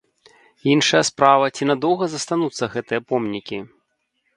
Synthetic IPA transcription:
inʂɐjɐspɾavɐt͡sʲinad̪ɔwɣɐzɐst̪anut̪sːɐɣɛt̪ɨjɐpɔmnʲikʲi

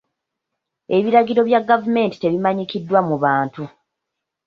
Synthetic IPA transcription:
e̞βiɾaɡiɾo̞βjaɡːavume̞ːnti̥te̞βimaɲikidːwamuβaːntu

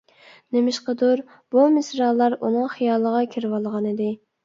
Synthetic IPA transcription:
nemɪʃqəd̪uɾ | b̥umɪsɾɑlˠːɑɾunɨŋχijɑːlˠːəʁɑkʲʰiɾwɑlˠəʁɑnɪd̪ɪ

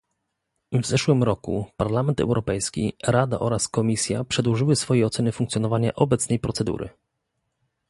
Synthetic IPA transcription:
vzɛʂwɘmɾɔkṵpaɾlamɛnt̪ɛ̰wɾɔpɛjskʲḭɾad̪a̰ʔɔɾaskɔmʲisʲja̰pʂɛd̪wɔʐɘwɘsfɔjɛjɔt̪sɛnɘfuŋkt̪sʲjɔnɔvaɲaʔɔbɛt̪snɛjpɾɔt̪sɛd̪ṵɾɘ̰

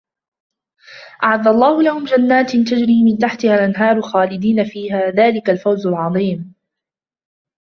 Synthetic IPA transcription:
ʔaʕaðːalˤːɑːhʊlahʊmd͡ʒanːaːt̪nt̪ad͡ʒɾiːmɪnt̪aħt̪ɪhalʔanɦɑːɾˤʊlxaːlɪd̪iːnafiːɦaːðaːlɪkalfawzalʕɑðˤiːm

